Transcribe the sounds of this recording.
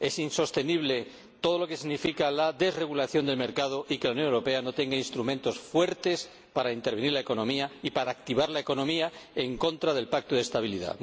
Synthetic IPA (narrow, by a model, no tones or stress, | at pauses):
e̞sinso̞st̪e̞niβ̞le̞ | t̪o̞ð̞o̞loke̞siɣnifikalaðe̞zre̞ɣ̞ulaθjo̞nd̪e̞lmeɾkað̞o̞ʔikelaunjo̞newɾo̞pe̞ano̞t̪e̞ŋɡainst̪ɾumẽnt̪o̞sfwe̞ɾt̪e̞s | paɾaint̪eɾβ̞eniɾlae̞ko̞nõ̞miaipaɾaːk̚t̪iβaɾlaeko̞nõ̞miae̞ŋko̞nt̪ɾaðe̞lpak̚t̪oðest̪aβ̞ilḭða̰